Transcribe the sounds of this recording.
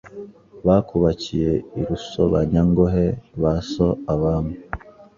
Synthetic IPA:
βakuβacijeiɾusoβaɲaŋɡoɦeβasoaβaːmu

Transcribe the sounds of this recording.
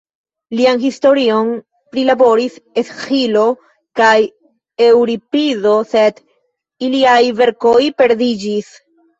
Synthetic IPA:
lianɦisto̞ɾio̞n | pɾilabo̞ɾisesxilo | kaj | ewɾipizo̞se̞d | iliajve̞ɾkojpe̞ɾd̪id͡ʒis

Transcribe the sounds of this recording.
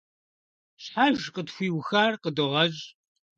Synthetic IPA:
ɕħaʒqətxʷiːwxaːrqədɨʁɐʑ

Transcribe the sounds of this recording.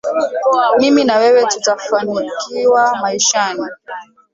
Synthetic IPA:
miminawɛwɛtutafanikiwamaiʃani

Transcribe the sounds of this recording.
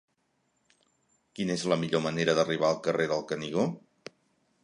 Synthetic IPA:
kinəezləmiʎoməneɾəðəriβ̞aəlˠkəreðəlˠkəniɣo

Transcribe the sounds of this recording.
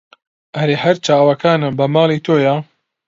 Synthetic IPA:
ʔɐɾeːhɐɾt͡ʃaːwɐkʰaːnɨbɐmɑːlˠit̪ʰoːja

